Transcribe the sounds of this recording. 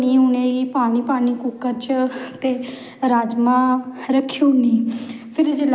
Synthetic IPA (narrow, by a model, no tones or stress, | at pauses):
niːʊneːɡiːpaːñiːpaːniːkʊkəɾt͡ʃt̪eː | ɾaːd͡ʒmãːɾəkʰːiniːpʰɪɾed͡ʒel